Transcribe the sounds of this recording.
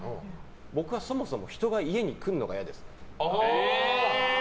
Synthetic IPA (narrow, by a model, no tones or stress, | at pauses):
bo̞kɯ̟βaso̞mo̞so̞mo̞çi̥t̪o̞ɡaie̞ɲ̟ikɯ̟̃nːo̞ɡa̰jad̪e̞sɨ̥